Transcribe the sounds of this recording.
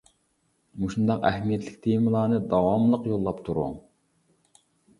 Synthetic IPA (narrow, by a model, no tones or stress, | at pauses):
muʃund̪ɑqæɦmijɛt̪ʰlɪkʲt̪ʰejmɨlˠɑːnɨd̪ɑwɑmlˠəqjolˠːɑpt̪ʰuɾʊ̰ŋ